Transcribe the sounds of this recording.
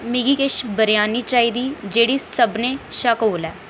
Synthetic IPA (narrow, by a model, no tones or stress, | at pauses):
mɪɡiːkɪʃbəɾjaːniːt͡ʃaːiːd̪iːd͡ʒeːɽiːsəbnẽːʃaːkoːlɛː